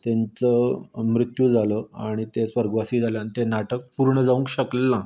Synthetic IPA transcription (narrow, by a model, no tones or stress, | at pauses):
t̪ẽnt͡səmɾit̪jud͡zʱaləaɽ̃it̪esʋəɾɡəʋasiːd͡zʱaljanit̪enaʈək̚puɾɳəd͡zaʋũŋkɕəklːã